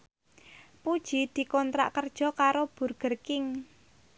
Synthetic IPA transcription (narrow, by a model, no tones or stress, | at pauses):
pud̥ʒ̥i̤d̪̥i̤kɔnt̪ɾa̰ʔkərd̥ʒ̥ɔ̤kaɾob̥ṳrɡ̥ərkɪŋ